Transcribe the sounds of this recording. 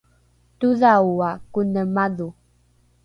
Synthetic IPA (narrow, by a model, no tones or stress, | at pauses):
tuðawakunəmaðu